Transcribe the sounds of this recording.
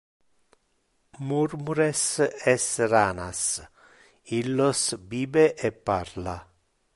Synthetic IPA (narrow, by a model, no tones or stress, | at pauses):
muɾmuɾesɛsraːnas | ilːosbiːbeʔepːaɾla